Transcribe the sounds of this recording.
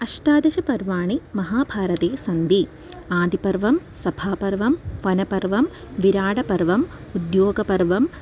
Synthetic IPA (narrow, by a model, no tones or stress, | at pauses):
ɐʃʈaːd̪ɐʃɐpɐɾʋaːɳimɐɦaːbʱaːɾɐt̪eːsɐnd̪i | aːd̪ipɐɾʋɐmsɐbʱaːpɐɾʋɐmʋɐnɐpɐɾʋɐm | ʋiɾaːɽɐpɐɾʋɐm | ud̪joːɡɐpɐɾʋɐm